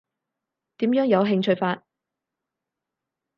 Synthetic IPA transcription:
t̪iː˨˥mjœː˨˥ŋjɐ˨˧wɦɪ˧ŋt͡ʃʰɵ˧ɥfaː˧t̚

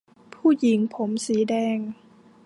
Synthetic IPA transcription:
pʰuː˥˩ji˨˩˦ŋpʰo˩˦msiː˩˦dɛː˧ŋ

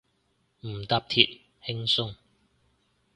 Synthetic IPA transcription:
m̩˨˩t̪aː˧p̚t̪ʰḭ˨t̚ | hɪ˥ŋsʊ˥ŋ

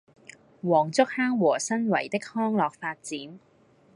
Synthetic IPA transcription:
wɔː˨˩ŋt͡sʊ˥k̚haː˥ŋwɔː˨˩sɐ˥nwɐ˨˩jt̪ɪ˥k̚hɔː˥ŋlɔː˨k̚faː˧t̚t͡siː˨˥n

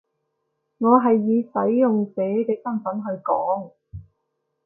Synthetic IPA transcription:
ŋɔː˨˧ɦɐ˨jːiː˨˧sɐ˨˥jːʊ˨ŋsɛː˨˥kɛː˧sɐ˥mfɐ˨˥nɦɵ˧ɥkɔː˨˥ŋ

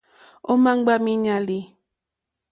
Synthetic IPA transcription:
o˦ma˦ŋ˦ɡ͡ba˦mi˦ɲa˦li˦

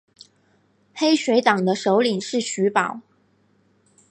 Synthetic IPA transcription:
xe˥ɪɕɥe˧˥ɪt̪ɑ˨˩ŋd̪ə˦ʂo˧˥ʊli˨˩ŋʂɻ̩˥˩ɕy˧˥pɑ˨˩˦ʊ

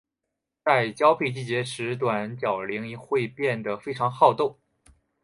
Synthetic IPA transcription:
t͡sa˥˧ɪt͡ɕjɑ˥ʊpʰi˥˧t͡ɕi˥˩t͡ɕjɛ˧˥ʂɻ̩˧˥t̪wa˨˩nt͡ɕjɑ˨˩ʊli˧˥ŋi˧˥xwe˥˧ɪpjɛ˥˩nd̪ə˩fe˥ɪʈ͡ʂʰɑ˧˥ŋxɑ˥˧ʊt̪o˥˩ʊ

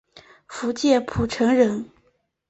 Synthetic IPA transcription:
fu˧˥t͡ɕjɛ˥˩pʰu˨˩ʈ͡ʂʰɤ˧˥ŋɻə˧˥n

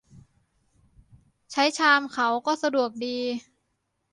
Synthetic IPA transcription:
t͡ɕʰa˦˥jt͡ɕʰaː˧mkʰa˩˦wkɔː˥˩sa˧du˨˩ək̚diː˧

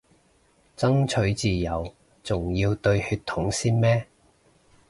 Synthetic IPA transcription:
t͡sɐ˥ŋt͡ʃʰɵ˨˥ɥt͡siː˨jɐ˨w | t͡sʊ˨ŋji˧wt̪ɵ˧ɥhyː˧t̪ʰːʊ˨˥ŋsiː˥nmɛː˥

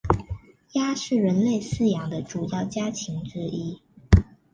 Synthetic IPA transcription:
ja˥ʂɻ̩˥˩ɻə˧˥nle˥˧ɪsɹ̩˥˧jɑ˧˥ŋd̪ə˧ʈ͡ʂu˨˩jɑ˥˩ʊt͡ɕja˥t͡ɕʰi˧˥ŋʈ͡ʂɻ̩˥i˥

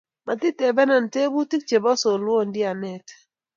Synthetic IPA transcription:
ma˨ti˦tɛ˨bɛ˦na˨nte˦bu˦ti˦k̚t͡ʃe˨bɔ˦so˨lwo˦˨ndɪ˦a˨nɛ˨t

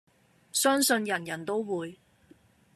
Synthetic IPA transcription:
sœː˥ŋsɵ˧njɐ˨˩njɐ˨˩nt̪o˥wwuː˨˧j

